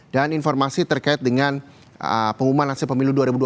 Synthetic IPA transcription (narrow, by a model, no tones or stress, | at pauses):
daninfɔrmasit̪ərkaɪt̪̚dəŋan | ə̰pəŋumanhasɪlpəmiluduaɾibudu